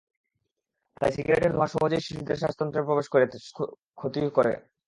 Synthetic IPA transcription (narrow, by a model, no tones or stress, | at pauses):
t̪ajsiɡɾeʈeɾnaʃɔbod͡ʑaeʃiʃid̪eɾʃaʃt̪ɔnt̪ɾepɾobeʃkoɾe | kʰot̪ikoɾḛ